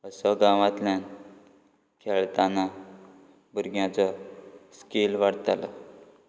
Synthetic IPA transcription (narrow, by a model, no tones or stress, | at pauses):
əsɔɡãʋãt̪ljan | kʰeɭt̪anːa | buɾɡjãt͡sɔskelʋaɽt̪ala